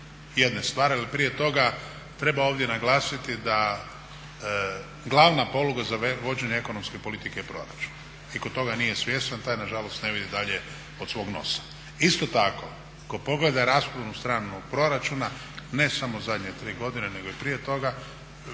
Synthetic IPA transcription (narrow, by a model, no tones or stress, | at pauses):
jed̪ne̞st̪ʋaːɾialipɾije̞t̪o̞ɡa | t̪ɾe̞baoːʋd̪jenaɡlaːsit̪id̪a | ɡlˠaʋnapo̞luɡazaʋo̞d͡ʑeɲeeko̞nomske̞po̞lit̪ikejpɾo̞̰ɾa̰t͡ʃu̥n | ikot̪ːo̞ɡanijesʋje̞st̪ant̪aːjnaʒalo̞st̪ne̞ʋid̪id̪aʎe̞ | o̞d̪sʋo̞ɡno̞̰sḁ | ist̪o̞t̪ako̞ | kopo̞ɡle̞d̪aɾaːspɾnust̪ɾaːnuɡpɾo̞ɾat͡ʃuna | ne̞samo̞zad̪ɲet̪ɾiːɡo̞d̪inene̞ɡo̞ipɾije̞t̪o̞ɡa